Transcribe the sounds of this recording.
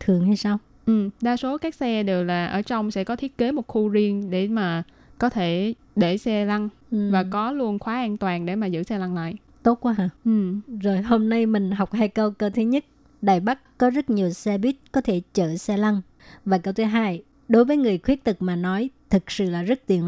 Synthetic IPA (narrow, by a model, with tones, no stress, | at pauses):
t̪ʰɨ˨˩əŋha˧jsaː˧w | ʔɨ˨˩mɗaː˧so˨˦kaː˦˥k̚sɛ˧ɗe˨˩wlaː˨˩ʔəː˧˩t͡ɕɔ˧wŋ͡msɛ̰˧˥kɔ˨˦t̪ʰi˦˥ət̚ke˨˦mo˨˩t̚xu˧zi˧ənɗe˧˩maː˨˩ | kɔ˨˦t̪ʰe˧˩ | ɗe˧˩sɛ˧la˧ŋ˩ | vaː˨˩kɔ˨˦lu˧ənxwaː˨˦ʔaː˧nt̪waː˨˩ŋɗḛ˧˩maː˨˩zɨ̰˧˥sɛ˧la˧ŋla̰ː˧˨j | t̪o˦˥t̚kwaː˧˦ɦaː˧˩ʔɨ˨˩zo˨˩jho˧mna˧jmï˨˩ŋ̟ɦa˨˩wk͡p̚haː˧jkə˧wkə˧wt̪ʰɨ˨˦ɲə˦˥t̚ | ɗaː˨˩jɓa˦˥kkɔ˨˦zə˦˥t̚ɲi˨˩əwsɛ˧ɓi˦˥t̚kɔ˨˦t̪ʰe˧˩t͡ɕə̰ː˧˨sɛ˧la˧ŋ | vaː˨˩kə˧wt̪ʰɨ˨˦ɦaː˧j | ɗo˨˦jvəː˨˦jŋɨ˨˩əjxwi˦˥ət̚t̪ɨ˨˩k̚maː˨˩nɔ˨˦jt̪ʰɨ˨˩k̚sɨ̰˧˨laː˨˩zə˦˥t̚t̪i˨˩ən